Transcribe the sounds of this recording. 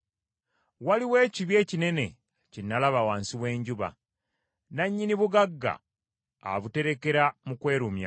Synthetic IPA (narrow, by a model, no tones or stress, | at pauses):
waliwe̞ːciβje̞ːcine̞ne̞ | cinːalaβawaːnsiβwe̞ːɲɟuβa̰ | naɲːiniβuɡaɡːa̰ː | βute̞ɾe̞ke̞ɾamukwe̞ːɾumja̰